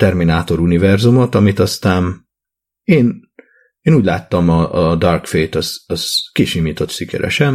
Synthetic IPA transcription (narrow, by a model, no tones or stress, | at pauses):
t̪ɛrminaːt̪o̞ɾunivɛrzumo̞t̪ɒmit̪ɒst̪aːn | eːn | eːnuːɟʲla̰ːt̪ːɒmɒːd̪ɒrkfejt̪ɒzɒz̥kiʃimiːt̪o̞t̪ʃikɛ̰ɾɛ̰ʃɛn